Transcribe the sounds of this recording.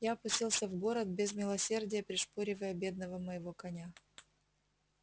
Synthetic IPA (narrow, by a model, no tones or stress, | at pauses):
jaɐpʊsʲtʲilˠsʲəvɡo̞ɾət̪̚bʲɪzmʲɪlˠɐsʲe̞rdʲɪjəpɾʲɪʂpoɾʲɪvəjəbʲe̞d̪̚nəvəməjɪvo̞kɐnʲa